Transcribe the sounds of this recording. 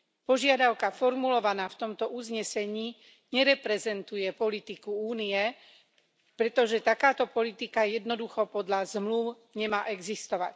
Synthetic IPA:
pɔʒɪad̪aʊkafɔɾmulɔʋanaːft̪ɔmt̪ɔuzɲɛsɛɲiː | ɲɛɾɛpɾɛzɛnt̪ujɛpɔlit̪ikuuːniɛ | pɾɛt̪ɔʒɛt̪akaːt̪ɔpɔlit̪ikajɛd̪nɔd̪uxɔpɔd̪lazmluʊ | ɲɛmaːʔɛɡzist̪ɔʋa̰c

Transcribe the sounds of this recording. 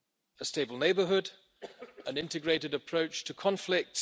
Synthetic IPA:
əsteɪbəl̩ˠneɪbəɦʊd | ʔə̃nɪ̃ntɨɡɹeɪɾɨdəpʰɹ̥oʊt͡ʃtʰəkʰɒ̃ɱflɪk̚t

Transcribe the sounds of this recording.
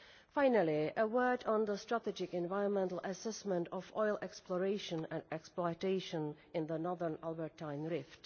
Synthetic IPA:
fãɪ̃nəlˠiəwɜ˞d̃n̩ðəstɹ̥ətɛd͡ʒɪkɛ̃nvaɪɹə̃nmɛ̃ntl̩ˠʔəsɛsmə̃ntɔvɔɪlˠɛksplɔɹeɪʃə̃nə̃nɛksplɔɪteɪʃə̃n | ɪ̃nðənɔðə˞nælˠbəɹtʰãɪ̃nɹɪft

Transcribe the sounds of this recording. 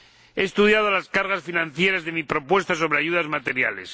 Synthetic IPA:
eːst̪uðjað̞olaskaɾɣasfinãn̟θje̞ɾazðemipɾo̞pwe̞st̪as̬o̞β̞ɾeaʝuðazmat̪e̞ɾja̰les

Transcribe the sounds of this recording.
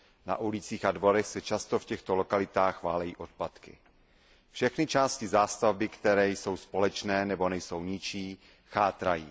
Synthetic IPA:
na̰ʔulɪt͡siːxadvo̞ɾɛxsɛt͡ʃast̪ofcɛxt̪olo̞kalɪt̪aːxvaːlɛjḭːʔot̪̚pat̪kɪ̰ | fʃɛxnɪt͡ʃaːscɪzaːst̪avbɪkt̪ɛɾɛːjso̞wspo̞lɛt͡ʃnɛːnɛbo̞nɛjso̞wɲɪt͡ʃiː | xaːt̪ɾajiː

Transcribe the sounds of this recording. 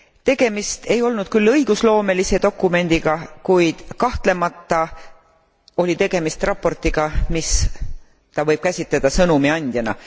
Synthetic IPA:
t̪e̞ɡ̥e̞mist̪e̞jo̞lnud̪̥̚kylːɤjɡ̥uslo̞ːme̞lise̞d̪o̞kːˑume̞nd̪̥iɡ̥ɑkujd̪̥kɑht̪le̞mɑt̪ːˑɑ | o̞lʲit̪e̞ɡ̥e̞mist̪rɑpːˑo̞rt̪ːˑiɡ̥ɑmis | t̪ɑvɤjb̥̚kæsʲit̪led̪̥ɑsɤnumiɑnʲd̪̥jɑnɑ̰

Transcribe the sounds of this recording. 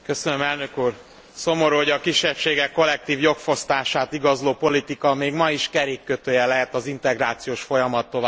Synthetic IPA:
kø̞sønømɛlnøkuːr | so̞mo̞ɾuoɟɒkiʃːɛpʃeːɡɛkːo̞lːɛk̚t̪iːvjo̞kfo̞st̪aːʃaːt̪iɡɒzloːpo̞lit̪ikɒmeːɡmɒiʃkɛɾeːkːøt̪øːjɛlɛɦɛt̪ɒzint̪ɛɡraːt̪sijoːʃfo̞jɒmɒt̪ːo̞vaː

